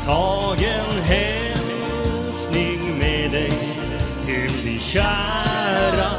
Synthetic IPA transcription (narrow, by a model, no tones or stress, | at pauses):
t̪ʰɑɡɛnɦɛ | m | u | snɪŋmɛd̪ɛj | t̪ʰɪlb̪ɪɕæ | ɾa